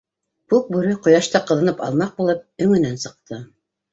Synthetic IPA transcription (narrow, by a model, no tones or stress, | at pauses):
kʉk̚bʉɾɘqŏjɑʃt̪ɑqɤ̆ðɤ̆nɤpɑ̰lˠmɑq̚bulˠɤp̚ɵ̆ŋɘ̆nænsɤ̆q̚t̪ʰɤ